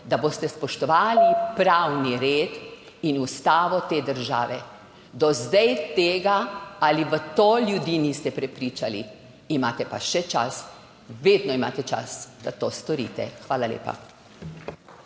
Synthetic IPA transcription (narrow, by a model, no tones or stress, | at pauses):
d̪aboːst̪ɛspɔʃt̪ɔʋaːlipɾawniɾeːt̪ | inust̪aːʋɔt̪eːd̪əɾʒa̰ːʋɛ | d̪ɔzd̪ajt̪eːɡaaliʋət̪oːlʲjud̪iːniːst̪ɛpɾɛpɾiːt͡ʃali | imaːt̪ɛpaʃɛt͡ʃa̰s | ʋeːd̪nɔima̰ːt̪ɛt͡ʃa̰sd̪at̪oːst̪ɔɾiːt̪ɛ̰xʋaːlalʲḛːpa̰